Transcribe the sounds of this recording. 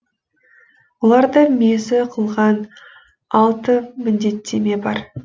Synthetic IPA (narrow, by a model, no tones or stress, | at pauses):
wolˠɑɾd̪əmezɪqʰəlˠʁɑn | ɑlˠt̪əmɪnd̪e̞t̪ːe̞me̞bɑɾ